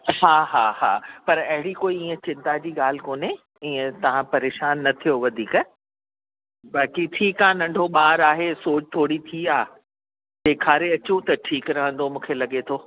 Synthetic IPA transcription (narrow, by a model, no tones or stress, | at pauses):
ɦaːɦaːɦaːpɐɾɐɦɪɽikoːiiːə̃t͡ɕɪ̃nt̪ad͡ʑiːɠaːl̤ɪkoːne | iːə̃t̪ɐʋ̤ãpɐɾeːʃaːnːɐt̪ʰijoʋɐd̪ʱiːk | ɓaːkiʈʰiːkaːnɐ̃ɳɖʱoɓaːɾaːɦesoːt͡ɕt̪ʰoːɽit̪ʰiaː | d̪eːkʰaːɾeɐt͡ɕũt̪ɐʈʰiːkɾɐɦə̃n̆d̪omũːkʰelɐɠet̪ʰoː